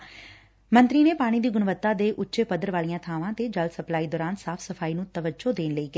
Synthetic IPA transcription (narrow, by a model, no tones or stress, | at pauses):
mənt̪ɾiːneːpaːɽ̃ĩːd̪iːɡʊɳʋət̪ːaːd̪eːʔʊtːʃeːpəd̪əɾʋaːlijãːt̪ʰaːʋãːt̪eːd͡ʒəlsəplaːiːd̪ɔːɾaːnsaːpʰsəfʰaːiːnũːt̪əʋəd͡ʒoːd̪eːnləiːkeː